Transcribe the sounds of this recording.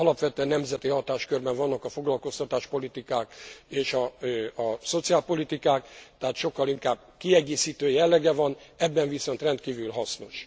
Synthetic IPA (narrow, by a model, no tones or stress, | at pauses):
ɒlɒpʋɛt̪øɛnːɛmzɛt̪iɦɒt̪aːʃkørbɛɱvɒnːɒkɒfo̞ɡlɒlko̞st̪ɒt̪aːʃpo̞lit̪ikaːkeːʃɒɒso̞t̪siaːlpo̞lit̪ikaːkt̪ɛɦaːt̪ʃo̞kːɒliŋkaːb̚ | kiɛɡeːsiːt̪øːjɛlːɛɡɛvɒnɛbːɛɱviso̞nt̪rɛnt̪̚kiːvylɦɒsno̞ʃ